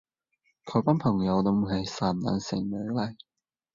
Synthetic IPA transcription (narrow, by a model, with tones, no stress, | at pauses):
kʰɔ˨˥paː˥npʰɐ˨˩ŋjɐ˨˧wt̪ʊ˧m˨˩hɐ˨˩jsaː˨˩nna̰ː˨˧nsɪ̰˨˩ŋlœ˨˥lɐ˨˩j